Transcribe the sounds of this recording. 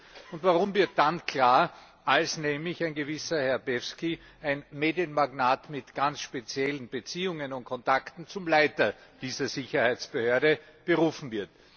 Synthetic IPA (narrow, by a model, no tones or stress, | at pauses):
ʊntvaʁʊmvɪɐt̚d̥ankʰl̥aːɐ | ʔalsnɛːmlɪçæɪnɡəvɪsɐhɛɐbɛfski | æɪnmeːdjənmaɡnaːtmɪtɡ̥ansʃpet͡sjɛlən̩b̥ət͡siːʊŋənʊnt̚kʰɔntaktn̩t͡sʊmlaɪtɐd̥iːzɐzɪçɐhæɪt͡sb̥əhøɐdəb̥əʁuːfn̩vɪɐt